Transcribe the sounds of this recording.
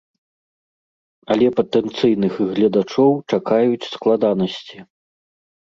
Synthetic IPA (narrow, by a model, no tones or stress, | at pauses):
ɐlʲɛpɐt̪ɛnt̪sɨjnɨxɣlʲɐd̪at͡ʂɔwt͡ʂakajut͡sʲsklˠad̪anɐsʲt͡sʲi